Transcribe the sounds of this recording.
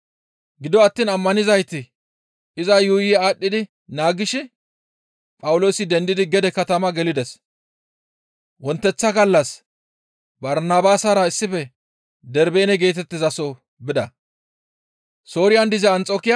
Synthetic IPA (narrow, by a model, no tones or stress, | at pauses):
ɡɪd̪ɔɐt̪ːiːnɐmːɐnɪzɐjt̪ɪ | ʔɪzɐjʊjɛaːɗːɪd̪ɪ | naːɡɪʃɪ | pʼɐwʊlo̞ːsɪd̪ɛnd̪ɪd̪ɪɡɛd̪ɛkɐt̪ɐmɐɡɛlɪd̪ɛs | wɔnt̪ːɛt͡sːɐɡɐlːɐs | bɐɾnaːbaːsɐɾɐɪsːɪfɛ | d̪ɛɾbe̞ːnɛɡe̞ːt̪̬ɛt̪ːɪzɐso | bɪd̪ɐ | so̞ːɾɪjɐnd̪ɪzɛɐnt͡sʼo̞ːkɪjɐ